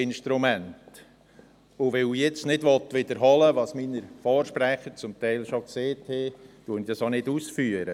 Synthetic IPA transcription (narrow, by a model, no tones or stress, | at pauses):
ɪnʃtɾumænt | ʊʋɛujɛt͡snɪdʋɔt̪ʋɪd̪əɾɦɑləʋɑsminəɾfɔːɾʃpɾæχəɾt͡sʊmt̪ɛɪlʃokseːthɛtuːənid̥ɑsonɪdusfyːəɾə